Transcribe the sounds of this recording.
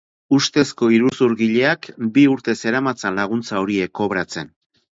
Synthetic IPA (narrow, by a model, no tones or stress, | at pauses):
ust̪e̞sko̞iɾusuɾɣiʎe̞akbiuɾt̪e̞se̞ɾamat͡salaɣ̞unt͡saoɾie̞kːo̞βɾat͡se̞n